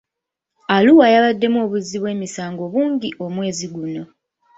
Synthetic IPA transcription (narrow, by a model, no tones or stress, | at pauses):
aluwajaβadːe̞mo̞ːβuzːiβwe̞ːmisaːŋɡo̞ːβuːŋɟiʔo̞mwe̞ːziɡuno̞